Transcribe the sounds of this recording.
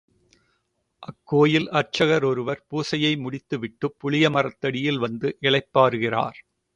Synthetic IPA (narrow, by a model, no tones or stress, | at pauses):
ʔɐkːoːjɪlɐrt͡ʃːɐɣɐɾɔɾɯʋɐɾpuːsɐjɐɪmʊɽɪt̪ːɯʋɪʈːɯpːʊɭɪjɐmɐrɐt̪ːɐɽɪjɪlʋɐnd̪ɯʔɪɭɐɪpːaːɾɯɣɪra̰ːɾ